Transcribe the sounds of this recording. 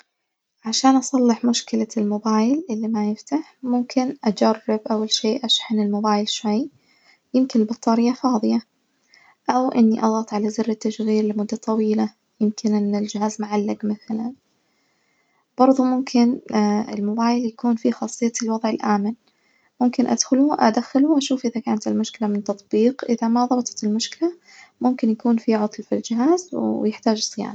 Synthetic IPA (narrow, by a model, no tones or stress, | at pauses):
ʕaʃaːnʔɑsˤɑlːɪħmʊʃkɪlalmʊbaːjlʔɪlːimajɪft̪aħmʊmkʰɪnʔad͡ʒarˤːɪbʔawːalʃeːʔaʃħɪnɪlmʊbaːjɪlʃwaj | jɪmkɪnɪlbɑt̪ˤːɑːɾɪjːafɑːðˤɨja | ʔawʔɪnːiʔɑɣɑt̪ˤʕalazɪrːɪt̪ːaʃɣiːɾlɪmʊd̪ːat̪ˤɑwiːla | jɪmkʰɪnʔɪnːɪld͡ʒɪhaːzmʊʕalːaɡmaθalan | b̥ɑɾˤðˤumʊmkʰɪnɪ̰lmʊbaːjɪljakuːnfixɑːsˤːɨjːat̪ɪlwɑðˤʕɪlʔaːman | mʊmkɪnʔa̰d̪xʊlʊʔa̰d̪axalʊʔaʃuːfʔɪðakaːnat̪ɪlmʊʃkɪlamɪnt̪ɑt̪ˤbiːqʔɪðamaðˤɑbt̪ˤɑ̥t̪ɪlmʊʃkɪla | mʊmkɪnjakuːnfiʕʊt̪ˤlfild͡ʒɪɦaːzwjɪħt̪aːd͡ʒsˤja̰ːn